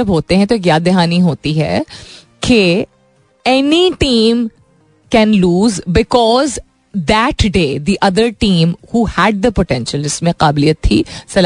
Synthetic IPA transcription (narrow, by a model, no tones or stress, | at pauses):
ɐbɦoːt̪ẽɦɛ̃t̪oeːkjaːd̪ɪɦaːniɦoːt̪iɦɛ̰ | kʰe | ɛniʈĩːm | kɛ̃nluːzbɪkɔːz | d̪æʈɖeːd̪iʔɐd̪əɾʈĩːmhuːhæɖ̚d̪əpoʈɛ̃nʃəlɪsmẽqaːbɪlijːət̪ʰːḭsɐl